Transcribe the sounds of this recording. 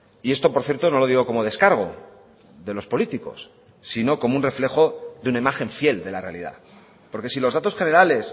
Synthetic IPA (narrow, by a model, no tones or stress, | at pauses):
ie̞st̪o̞poɾθje̞ɾt̪o̞no̞lo̞ðiɣ̞o̞ko̞mo̞ð̞e̞skaɾɣ̞o̞̰ | ðe̞lo̞spo̞lit̪iko̞̰sː | ino̞ko̞mounre̞fle̞xo̞ðeunaimaxe̞ɱfje̞ld̪e̞larealḭða̰ | po̞ɾke̞silo̞zðat̪osxe̞ne̞ɾale̞s